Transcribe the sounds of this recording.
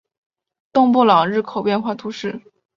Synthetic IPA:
t̪ʊ˥˧ŋpu˥˩lɑ˨˩ŋɻɻ̩˥˩kʰo˨˩ʊpjɛ˥˧nxwa˥˩t̪ʰu˧˥ʂɻ̩˥˩

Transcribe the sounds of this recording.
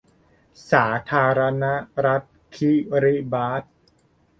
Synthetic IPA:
saː˩˦t̪ʰaː˧ɾa˧na˦˥ɾa˦˥t̪̚kʰi˦˥ɾi˦˥baː˦˥t̪̚

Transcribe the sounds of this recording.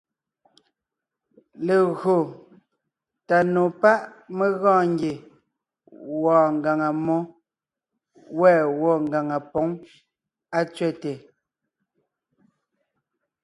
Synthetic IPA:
le˨ɣɰo˨ | ta˨no˨pa˦ʔme˦ɣɔ̃ː˦˨ŋ˦ɡe˨ | wɔː˨ŋ̩˨ɡa˨ŋa˨mɔ˦ | wɛː˦˨wɔ˦˨ŋ˨ɡa˨ŋa˨pɔ˨˦ŋ | a˦t͡sɥɛ˦˨te˨

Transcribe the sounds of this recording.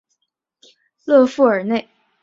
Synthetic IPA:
lɤ˥˧fu˥˩ə˞˨˩ne˥˩ɪ

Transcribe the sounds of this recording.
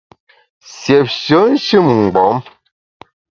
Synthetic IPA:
sjɛ˨p̚ʃə˨˦n̩˦ʃɨ˦˨mŋ̩˨ɡ͡bɔ˨˦m

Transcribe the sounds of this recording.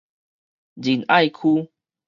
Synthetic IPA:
d͡ʑi˨˩na˥˧˨jkʰu˦

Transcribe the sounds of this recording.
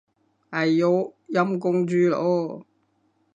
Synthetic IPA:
ɐ˨jjo˨˧˥jɐ˧˥mkʊ˥˧ŋt͡syː˧lo̰˨˥

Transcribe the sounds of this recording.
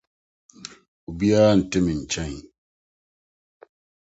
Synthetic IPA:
u˨bi˦jaː˦˨n̩˨tɪ˦mɪ˨n̩˨t͡ʃɛ˦ɲ˨

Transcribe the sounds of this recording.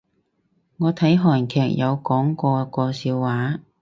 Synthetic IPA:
ŋɔː˨˧t̪ʰɐ˨˥jɦɔː˨˩nkʰɛː˨k̚jʔɐ˨˧wkɔː˨˥ŋkɔː˧kɔː˧siː˧wːaː˨˥

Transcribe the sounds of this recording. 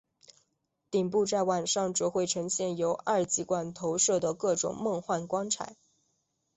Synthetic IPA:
t̪i˨˩ŋp̬u˥˧t͡sa˥˧ɪwa˨˩nʂɑ˥˩ŋʈ͡ʂɔ˧˥xwe˥˩ɪʈ͡ʂʰɤ˧˥ŋɕjɛ˥˩njo˧˥ʊʔɐ˞˥˩t͡ɕi˧˥kwa˨˩nt̪ʰo˧˥ʊʂɤ˥˩d̪ə˩kɤ˥˩ʈ͡ʂʊ̰˨˩ŋmɤ˥˧ŋxwa˥˩nkwɑ˥ŋʈ͡ʂʰa̰˨˩˦n

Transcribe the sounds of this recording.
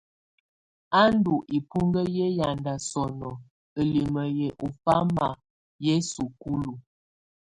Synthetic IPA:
a˦n˦du˨ʔi˨pu˦ŋɡə˦je˦ja˨nda˨sɔ˨nɔ˨ | ə˨li˨mə˨jɛ˨ʔo˨fa˦ma˨ | je˦su˨ku˦lu˨

